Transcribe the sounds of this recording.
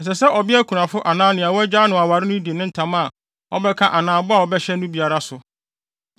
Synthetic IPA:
n̩˨s̬ɛ˨sɛ˦ʔɔ˨bɪ˦æ˦kʰu˨nã˨fʊ˦ʔa˨nãː˦nɪ̃˨a˨wɔ˦ɛ˦d͡ʑaː˦nʊ̃˨a˨wa˨ɾɪ˦nʊ̃˦di˨e˨nʊ̃˦n̩˨tʰã˨˦ma˨ | ɔ̰˦bɛ˦kʰã˦ʔa˨nãː˦bʊ˦a˦˨wɔ˨bɛ˦ɕɛ˦nʊ̃˦bi˨a˨ɾa˦sʊ˨

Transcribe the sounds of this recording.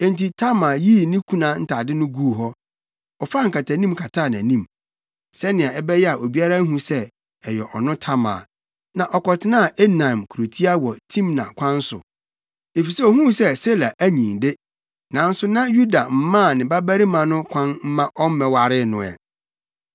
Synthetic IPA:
ẽ˦˨nti˨tʰa˦mã˨ji˦˨nĩ˦kʰũ˦nã˨˦n̩˦tʰa˨dɪ˦nʊ̃˦ɡuː˦˨ɦɔ˦ | ɔ˨fa˦ŋ̩˨ka˨tʰa˨nĩ˦mkʰa˨tʰa˦˨nã˨nĩ˦m | sɛ˦nɪ̃˨ã˨ɛ˦bɛ˦jɛ˦a˨ʔo˨bi˦a˦ɾa˦ɦũ˦sɛ˦ | ɛ˨jɛ˨ʔɔ˨nʊ̃˦tʰa˦ma̰ː˨ | nã˨ʔɔ˨kɔ˨tʰɪ˦nã˦˨e˦nã˨mkʰu˨ɾo˨tʰi˦a˦wɔ˨tʰĩ˦mnã̰˨kʷʰã˦n˦sʊ̰˨ | e˨fi˨sɛ˦ɔ˨ɦũ˦sɛ˦se˦la˨ʔæ˦ɲĩ˨nde˦ | nã˨n̩˦sʊ˦nã˦ju˦da˨m̩˦mã˦˨nɪ̃˨ba˦bæ˦ɾi˦mã˨nʊ̃˦kʷʰã˦nm̩˦mã˦ʔɔ˦m̩˦mɛ̃˨wa˨ɾɪ˦nʊ̃˨ɛ̰˨

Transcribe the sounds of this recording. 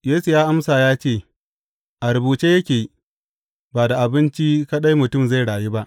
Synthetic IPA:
jeː˦su˨jaː˦ʔa˦msaː˨jaː˦t͡ʃeː˦˨ | ʔa˨ɾʊ˨buː˨t͡ʃeː˦jɐ˦kʲeː˨˦ | baː˨da˨ʔa˨bɪ˦nt͡ʃi˦ka˦ɗa˦jmʊ˨tʊ˦˨mza˦˨jɽaː˨jeː˦ba˦ʔ

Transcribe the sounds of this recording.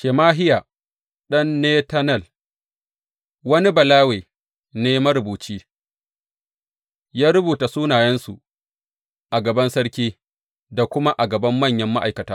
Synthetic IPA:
ʃeː˨maː˦ɦɪ˦jaː˨ | ɗɐ˦nːeː˦tɐ˦nɐ˦˨l | wɐ˦ni˦bɐ˨laː˦weː˨ | neː˦ma˦ɾʊ˨buː˨t͡ʃiː˦ | jaː˦ɾʊ˦buː˨ta˨suː˦naː˨jɐ˦nsu˨ | ʔa˨ɡɐ˨bɐ˦nsɐ˦ɽkʲiː˦ | da˨kʷʊ˦ma˦ʔa˨ɡɐ˨bɐ˦mːɐ˦˨ɲjɐ˦mːa˦ʔa˨jkɐ˨taː˦

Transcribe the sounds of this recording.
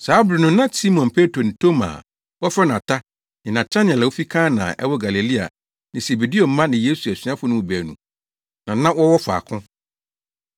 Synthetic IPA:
saː˨˦bɾɪ˨nʊ̃˨˦nã˦si˦mɔ̃˨npʰe˦tɾo˨n̩˨tʰo˦ma̰˨ | wɔ˦fɛ˦nã˨tʰa˦ | nɪ̃˨nã˨tʰa˦n˨ɛ˨la˨wo˦fi˦kʰã˦nã̰ː˨ʔɛ̰˦wɔ˦ɡa˨le˨li˦a̰˨ | nɪ̃˨se˨be˨di˦o˨m̩˦mã˦nɪ̃˨je˦su˨æ˨si˨˦ã˦fʊ˦nʊ̃˦˨bæ˨nṵ̃˨ | nã˨˦ã˦wɔ˦wɔ˦fʊ˨a̰˨kʰʊ̃˦

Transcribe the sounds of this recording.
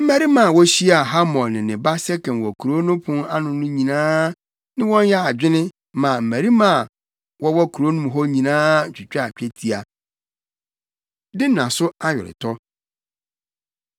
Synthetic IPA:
m̩˦mæ˦ɾi˦mã˨wɔ˦ɕi˦a˨ɦa˦mɔ̃˨lnɪ̃˨nɪ̃˨ba˦sɛ˦kɛ̃˨nwɔ˨kʰu˨ɾo˦nʊ̃˦pʰʊ̃˦na˦nʊ̃˨nʊ̃˦ɲĩ˨nãː˦ | nɪ̃˦wɔ̃˦njɛ˦a˨d͡ʑᶣɪ˦nɪ̃˦ | mã˨m̩˨mæ˨ɾi˦mã˦˨ | wɔ˦wɔ˦kʰu˨ɾo˦nũ˦m˨ɦɔ˦ɲĩ˨nãː˦˨t͡ɕᶣɪ˨t͡ɕᶣa˦a˨t͡ɕᶣɛ˦tʰi˨a˨ | dɪ˦nã˨sʊ˦a˦ɥɔ̰˨ɾɪ̰˨tʰɔ˦

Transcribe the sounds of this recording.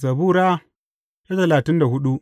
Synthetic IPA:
zɐ˨buː˦ɾaː˦ | ja˦tɐ˨laː˨tɪ˦nda˨ɦʊ˦ɗu˦

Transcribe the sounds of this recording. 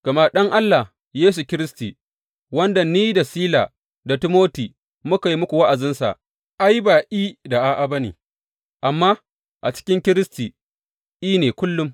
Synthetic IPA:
ɡ̥ɐ˨ma˦ɗɐ˦ŋʔa˦lːa˨h | jeː˦s̬u˨kʲɪ˦ɾɪ˦sti˨ | wɐ˦nda˨niː˦da˨siː˦laː˨ | da˨ti˦moː˦tiː˨ | mʊ˦ka˨ji˦mʊ˦kʷu˨wa˦ʔa˨zɪ˦nsa̰˨ʔ | ʔa˦jbaː˨ʔiː˦da˨ʔa˦˨ʔa˨ba˦nḭː˨ | ʔa˨mːaː˦ | ʔa̰˨t͡ʃɪ̥˦kʲɪ˦ŋkʲɪ˦ɾɪ˦stiː˨ | ʔiː˦neː˨kʷʊ˦lːʊ˦m

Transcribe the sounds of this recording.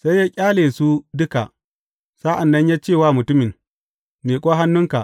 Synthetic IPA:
sa˦jːaː˦kʲʼaː˦leː˨su˦dʊ˦ka̰˨ʔ | sa˦ʔa˨nːɐ˦ɲjaː˦t͡ʃeː˦˨waː˦˨mʊ˨tʊ˦mɪ˨n | meː˨kʷʼoː˦ɦa˦nːʊ˦ŋka˨

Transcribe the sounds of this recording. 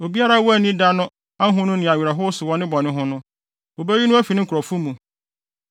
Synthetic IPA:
o˨bi˦a˦ɾa˦wɔ˦æ˨nĩ˦da˦nʊ̃˦ | a˦ɦʊ̃˦nʊ̃˦nɪ̃˨a˨ɥi˨ɾa˨ɦʊ˦sʊ˨wɔ̃˦nɪ̃˦bɔ˨nɪ̃˦ɦʊ̃˦nʊ̃˦ | o˨be˦ɥi˦nʊ̃˦æ˦fi˨nɪ̃˦kʰɾɔ˨fu˦mũ˨

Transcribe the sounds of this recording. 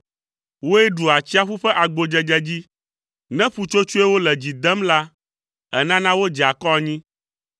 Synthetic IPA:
wo˦ɛ˦ɖu˨a˨t͡ɕi˦a˦ɸu˦ɸɛ˦ʔa˨ɡ͡bo˨d͡ʒɛ˨d͡ʒɛ˦d͡ʑi˦ | nɛ̃˦ɸu˨t͡ʃo˦t͡ʃu˦ɛ˦wo˦lɛ˨d͡ʑi˨d̪ɛ˦mla˦ | ɛ̰˦nã˦nã˦wo˦d͡ʒɛ˨a˨kɔ˦a˨ɲĩ˦

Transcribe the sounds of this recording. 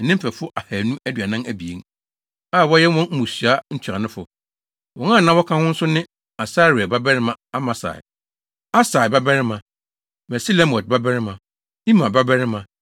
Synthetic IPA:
nɪ̃˦m˦fæ˨fʊ˦ʔa˨hæː˨nũ˦æ˦dɥa˨nã˦næ˨bi˨ḛ˨ŋ | a˦˨wɔ˦jɛ˦wɔ̃˦n̩˦mũ˨sɥa˦ɲ̩˦t͡ɕʰᶣɾa˨nʊ̃˦fʊ̰˨ | wɔ˨ŋãː˦˨nã˦wɔ˦kʰã˦hʊ̃˦n̩˦sʊ˦nɪ̃˦ | a˨sa˦ɾi˨a˨ba˦bɛ˦ɾɪ˦mã˨a˦mã˨sa̰˨ | a˦sa˨ɪ˨ba˦bɛ˦ɾɪ˦mã˨ | mɛ˨si˦lɛ˦mɔ˨t̚ba˦bɛ˦ɾɪ˦mã˨ | i˦mã˨ba˦bɛ˦ɾɪ˦mã˨

